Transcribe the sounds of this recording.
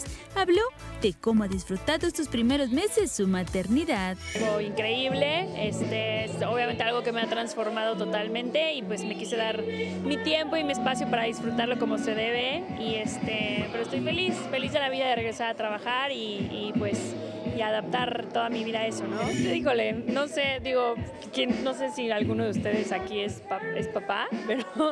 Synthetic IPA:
aβlo̞ð̥e̞ko̞moaðisfɾut̪aɾðoest̪ospɾime̞ɾo̞zme̞se̞sːumat̪e̞ɾniðaðlɣo̞iŋkɾe̞iβleest̪eesoβjament̪ealɣo̞kemeat̪ɾansfo̞ɾmaðo̞t̪o̞t̪almẽnt̪e̞ipwe̞zme̞kise̞ðaɾ | mit̪je̞mpo̞imie̞spasjo̞paɾaðisfɾut̪aɾlo̞ko̞mo̞se̞ðe̞βe̞ | ie̞st̪e̞pe̞ɾoest̪ojfe̞lisfe̞lizðe̞laβiðaðe̞re̞ɣɾe̞saɾat̪ɾaβ̞axaɾiːpwe̞s | iaðap̚t̪aɾt̪o̞ðamiβiðae̞so̞no̞d̪ixo̞le̞no̞se̞ðiɣo̞ | kjenno̞s̬e̞sialɣuno̞ðeust̪e̞ðe̞sakie̞spae̞̰spapape̞ɾo

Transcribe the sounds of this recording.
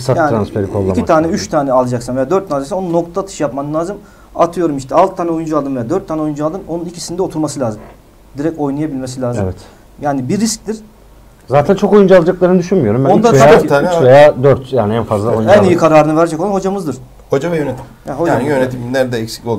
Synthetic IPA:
sat̪aɾanɯspʰeɾikʰolˠːamit̪ʰaːnɛyt͡ʃt̪ʰaːnɛalˠad͡ʒaksanve̞jaːd̪øɾt̪ːʰand͡ʒaksɛnonuno̞kt̪ʰat̪ʰɯ̥ʃɯjapmanlˠaːzɯm | at̪ʰɯjo̞ɾumiʃt̪ʰɛalˠt̪ʰːaːnɛo̞jund͡ʒualˠd̪ɯmvejaːd̪øɾt̪ʰːaːnɛo̞jund͡ʒualˠd̪ɯmo̞nunicʰisinid̪ɛo̞t̪ʰuɾmasɯlʲaːzɯm | d̪iɾɛco̞jnajabilʲmesilʲaːzɯvɛt̪ | jaːnibiɾːisc̚t̪iɾ̥ | zaːt̪ʰænt͡ʃʰo̞ko̞jund͡ʒualˠad͡ʒaklˠaɾɯnɯd̪yʃynmyjo̞ɾumbæond̪aaaiat͡ʃvejaːd̪øɾt̪jaːnɪænfazlˠaojunɛnijikʰaɾaːɾɯnɯvɛɾd͡ʒɛkolˠanho̞d͡ʒamɯzd̪ɯɾ̥ | hod͡ʒavɛjønet̪ʰi̥mjahod͡ʒaanjønet̪ʰimind̪æɾd̪ɛɛcsi̥kʲolˠ

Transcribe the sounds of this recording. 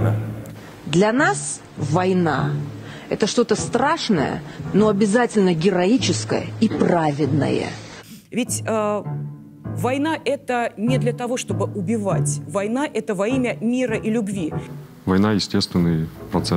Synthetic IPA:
d̪lʲɐnas | vɐjna | ɛt̪əʂt̪o̞t̪əst̪ɾaʂnə̰jə̰no̞ɐbʲɪzatʲɪlʲnəɡʲɪɾɐit͡ɕɪskə̰jə̰ipravʲɪd̪nə̰jə̰ | vʲɪtʲə | vɐjnaʔɛt̪ənʲɪd̪lʲɐt̪ɐvo̞ʂt̪o̞bɨʔʊbʲɪvatʲvɐjnaʔɛt̪əvɐimʲəmʲiɾəʔilʲʊbvʲi | vɐjnajɪsʲtʲest̪vʲɪnːɨjpɾɐt̪sɛ

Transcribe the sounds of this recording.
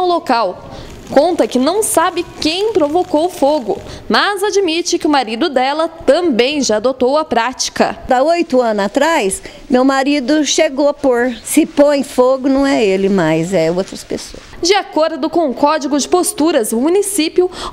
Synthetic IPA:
wlokaw | kõnt̪ɐkɪnɐ̃w̃sabɪkẽj̃pɾovokowfoɡʊmɐzad͡ʒimit͡ʃɪkɪʊmaɾid̪ʊd̪ɛlɐt̪ɐ̃mbẽj̃ʒaːd̪ot̪owɐpɾat͡ʃi̥kɐ̰d̪aojt̪ʊɐ̃nʊat̪ɾajs | mewmaɾid̪ʊʃeɡoapoɾsɪpõj̃foɡʊnɐ̃w̃ɛelɪmajzɛowt̪ɾɐspḛso̰ɐsd͡ʒɪakoɾd̪ʊkõʊ̃kɔd͡ʒiɡʊd͡ʒɪpost̪uɾɐzʊmunisipjʊ

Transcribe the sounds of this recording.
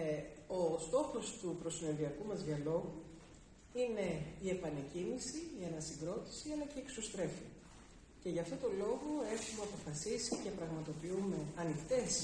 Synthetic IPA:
o̞st̪o̞xo̞st̪upɾo̞sineðiɐkumɐzʝɐlo̞ɣu | ine̞ie̞pɐne̞cimisiiɐnɐsiɡɾo̞t̪i̥siɐlɐceieksost̪ɾe̞fi | ce̞ʝɐft̪o̞t̪o̞lo̞ɣo̞e̞xumeɐpo̞fɐsisicepɾɐɣmɐt̪o̞piume̞ɐnixt̪e̞s

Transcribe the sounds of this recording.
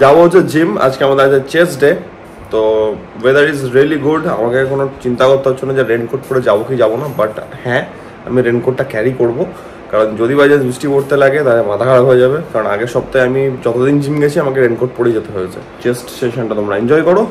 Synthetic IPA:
d͡ʑaboɦot͡ɕʰed͡ʑima̰d͡ʑkeamad̪eɾad͡ʑet͡ɕesɖe | t̪o | wed̪əɾɾizɾiəliɡuɖa̰makekonot͡ɕint̪aɡot̪ːoɦotːt͡ɕʰonad͡ʑeɾenkoʈ̚poɽed͡ʑabokid͡ʑabonabaʈhɛ̃ | a̰miɾenkoʈːakɛɾikoɽbo | kaɾond͡ʑod̪ibajd͡ʑebɾisʈipoɾt̪elaɡet̪aemad̪ʱakʰaɽaɦoed͡ʑaβekaɾona̰ɡeʃɔb̚t̪ajamid͡ʑɔt̪od̪ind͡ʑimɡɛt͡ɕʰiamakeɾenkoɾʈ̚poɽed͡ʑet̪eɦojet͡ɕʰḛ | t͡ɕesʈsʈeʃonʈat̪omɾaind͡ʑɔjkɔɽo

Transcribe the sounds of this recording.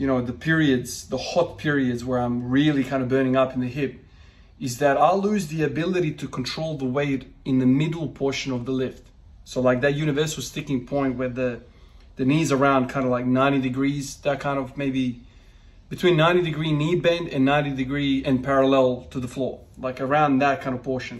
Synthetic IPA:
jɨñoʊðɨpʰɪɹiɨdz̥ðəhɑt̚pʰɪɹiɨdzwə˞ãɪ̃mɹɪlˠikʰãɪ̃ndʌvbɜ̃˞ɾ̃ɪ̃ŋʌpn̩ðɨhɪp̚ | ɨzðɨɾaɪlʉzðiɨbɪlˠɨɾiɾɨkʰn̩tʰɹ̥oʊlˠðəweɪɾɨ̃nðɨmɪdl̩ˠpʰɔɹʃɨ̃nʌvðəlɪft | soʊlaɪk̚ðɨt̚jʉɾ̃ɨvɜ˞sl̩ˠstɪkɪ̃ŋpʰɔ̃ɪ̃nʔ̚wə˞ðɨ | ðɨnizə˞ãʊ̃nkʰãɪ̃ndəvlaɪk̚nãɪ̃ɾ̃idɨɡɹiz̥ðɨt̚kʰãɪ̃ndʌvmeɪbi | b̥ɨtʰw̥ĩnːãɪ̃ɾ̃idɨɡɹinibɛ̃ndɨ̰̃nːãɪ̃ñidɨɡɹiɨ̃npʰɛɹɨlɛlˠtʰɨðəflɔɹlaɪkə˞ãʊ̃nðɨt̚kʰãɪ̃ndʌv̥pʰɔɹʃɨ̃n

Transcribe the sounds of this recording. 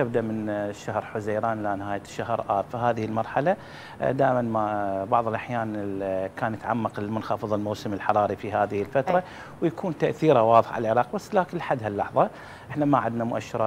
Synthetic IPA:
ab̚d̪aʔmɪnʃːahɾħʊzajɾaːnlanɪhaːjaʃːahɾʔaːbfiɦaːðɪhɪlmɑɾˤħala | d̪aːʔɪmanmabɑʕðˤəlʔaħjaːnkaːnjɪt̪ʕamːɑqlɪlmʊnxɑfɨðˤɪlmowsɪmɪlħɑɾˤɑːɾifiɦaːðɪhɪlfat̪ɾˤɑ | wjakuːnt̪aʔθiːɾawɑːðˤəħʕa̰lalʕɪɾˤɑːqbasːlaːkɪnlħad̪halːɑħðˤɑ | ʔɪħnamaʕɪd̪namʊʔaʃːɪɾˤɑ

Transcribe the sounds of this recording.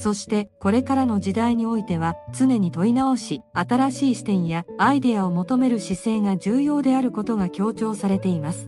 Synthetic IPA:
so̞ɕi̥t̪e̞ko̞ɾe̞kaɾano̞d͡ʑid̪aiɲ̟io̞it̪e̞β̞at͡sɨne̞ɲ̟it̪o̞inao̞ɕiat̪aɾaɕiːɕi̥t̪ẽ̞ɰ̃jaaid̪e̞ao̞mo̞t̪o̞me̞ɾɯ̟ɕisẽ̞ŋɡad͡ʑɨːjo̞ːd̪e̞aɾɯ̟ko̞t̪o̞ɡakʲo̞ːt͡ɕo̞ːsaɾe̞t̪e̞imasɨ̥

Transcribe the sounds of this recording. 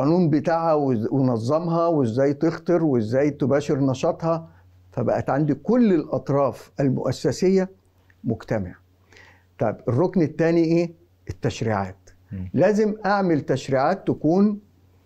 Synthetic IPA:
onuːmbet̪aːʕæwewenɑzˤːɑmhɑwezːæːjt̪ext̪eɾwezːæːjt̪ebæːʃeɾnɑʃɑt̪ˤhɑ | fæbæ̰ʔæt̪ʕand̪ikʊlːelʔɑt̪ˤɾˤɑːfælmʊ̰ʔæsːæsejːæ | mʊɡt̪æma̰ʕ | t̪ˤɑjberˤːoknet̪ːæːniʔeː | et̪ːæʃɾḭːʕa̰ːt̪ | læːzɪmʔaʕmelt̪æʃɾiːʕaːt̪ːækuːn

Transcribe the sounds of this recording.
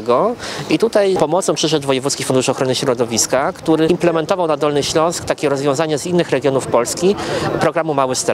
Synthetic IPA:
ɡɔit̪ut̪ajpɔmɔt̪sɔ̃pʂɘʐɛʐvɔjɛvut̪skʲixfund̪uʂɔxɾɔnɘɕɾɔd̪ɔvʲiskakt̪uɾɘimplɛmɛnt̪ɔvawnad̪ɔlnɘɕlɔ̃w̃skt̪akʲɛɾɔzvjɔ̃w̃zaɲɛzinːɘxɾɛɡʲjɔnufpɔlskʲipɾɔɡɾamumawɘst̪ɛ

